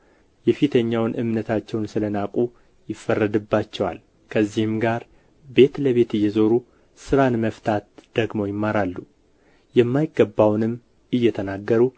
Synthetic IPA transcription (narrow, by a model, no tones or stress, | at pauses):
jɛfit̪ʰəɲːawnʔɨmnət̪ʰat͡ʃːɛwnsɨlənakʼu | jɪfːərːəd̪ɨbːat͡ʃːɛwa̰l | kʰəzːihɨmɡaɾ | be̞t̪ləβe̞t̪ɨjːɛzo̞ɾu | sɨɾanməft̪ʰat̪d̪̥əɡmo̞jɪmːaɾalːu | jɛmːajɪɡːəbːawnɨm | ɨjːɛt̪ʰənaɡːəɾu